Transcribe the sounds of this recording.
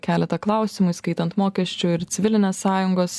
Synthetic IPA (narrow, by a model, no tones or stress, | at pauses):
kʲæːlʲɛt̪ɐklˠɐˑʊsʲɪmʊɪskɐɪt̪ɐnt̪moːkʲɛsʲt͡ʃʲʊɪɾt̪sʲɪʋʲɪlʲɪnʲeːsːɑːjʊŋɡoːs